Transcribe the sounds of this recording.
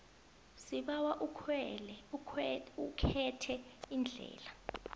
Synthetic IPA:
siɓawaʔukʰwɛlɛ | ukʰɛtʰɛind͡ɮʱɛ̰ːla

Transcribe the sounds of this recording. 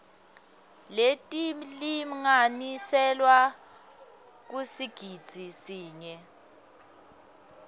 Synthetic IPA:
letʼilimŋanisɛlwa | k̬usiɡ̥ʱid̥z̥ʱisiːɲɛ

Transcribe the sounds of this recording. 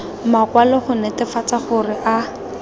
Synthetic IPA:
makwalɔχʊnɛtɪfat͡saχʊrɪʔa

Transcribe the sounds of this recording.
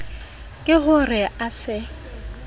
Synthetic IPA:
kʼɪɦʊrɪasɪ

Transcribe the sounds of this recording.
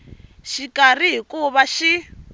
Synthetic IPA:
ʃikʼar̤iɦikuβaʃi

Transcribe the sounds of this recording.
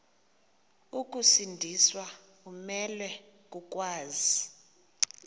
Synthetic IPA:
ukʼusindʱiswa | k̬ʼumɛlwɛ | k̬ʼuk̬ʼwaːzi

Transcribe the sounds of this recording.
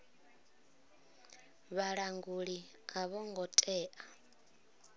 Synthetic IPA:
βaɺaŋɡuɺi | aβɔŋɡɔtʼɛːʔa

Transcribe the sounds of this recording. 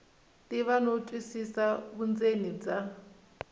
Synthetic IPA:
tiβanotʼwisisaβund͡zenid͡za

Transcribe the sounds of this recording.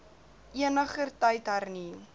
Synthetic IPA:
ʔiənəχərtəjtɦarni

